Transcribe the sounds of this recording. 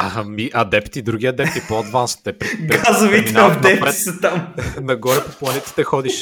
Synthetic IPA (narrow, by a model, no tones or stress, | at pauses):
amiʔɐd̪ɛpt̪id̪ɾuɡ̟ʲiɐd̪ɛpt̪ipod̪vanst̪ɛpɾɡɾazʊvitminɛaot̪nɐɛɾɛsɐt̪amnɐɡɔɾɛpoplˠɐnɛt̪ə̥t̪ɛxɔd̪iʃ